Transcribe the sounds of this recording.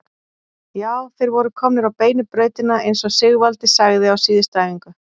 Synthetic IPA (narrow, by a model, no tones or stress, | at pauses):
jaːwθejɾvɔɾʏkʰɔmnɪɾawpeːjnʏpɾœːɥt̪ɪnaejnsɔsɪɣvalt̪ɪsaɣðɪawsiːðɪst̪aːjviŋkʏ